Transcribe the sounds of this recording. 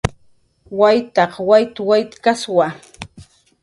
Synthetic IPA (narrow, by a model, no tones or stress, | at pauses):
wajt̪ɑqwajt̪wajt̪kaswa